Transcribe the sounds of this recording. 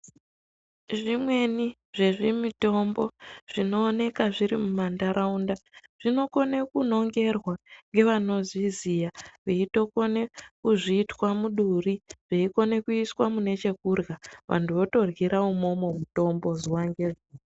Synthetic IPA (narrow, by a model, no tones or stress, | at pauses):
ʐimwe̞ni | ʐeʐimito̞mbo̞ʐ̥ino̞ːne̞kaʐiɾimumandaɾʔaundaʐ̥ino̞ko̞nekuno̞ŋɡe̞rwaŋɡe̞ʋano̞zizijaʋeito̞ko̞ne̞kuʐiːtwamuɗuriʐ̥eiko̞ne̞kuiswamune̞t͡ʃe̞kurɣaʋʔa̰ntuʋo̞to̞rɣiɾaumo̞mo̞muto̞mbo̞ziwaŋɡe̞ʐiː